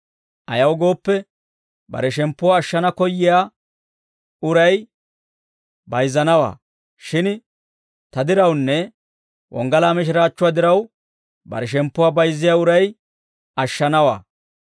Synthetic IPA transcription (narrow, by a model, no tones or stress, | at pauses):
ʔɐjɐwɡo̞ːpːɛ | bɐ̰ɾɛʃɛmpːʊwaːʃːɐnɐkɔjːɪjaː | ʊɾɐj | bɐjzɐnɐwa̰ː | ʃɪn | t̪ɐd̪ɪɾɐwnːɛ | wʔɔ̰ŋɡɐlaːmɪʃ̬ɪɾaːt͡ʃːʊwaːd̪ɪɾɐw | bɐ̰ɾɛʃ̬ɛmpːʊwaːbɐjzːɪjaːʊɾɐj | ɐʃːɐnɐwa̰ː